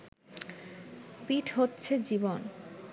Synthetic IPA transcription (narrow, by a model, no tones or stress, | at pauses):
piʈʰɦotːɕʰed͡ʑibon